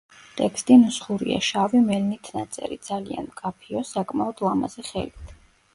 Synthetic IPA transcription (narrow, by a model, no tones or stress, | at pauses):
t̪ʼɛkʰst̪ʼimusχuɾḭa̰ʃavimɛlnit̪ʰnat̪sʼɛ̰ɾḭd̪zalia̰nmkʼapʰiɔsakʼmaɔd̪lˠama̰z̥ɛχɛ̰lit̪ʰ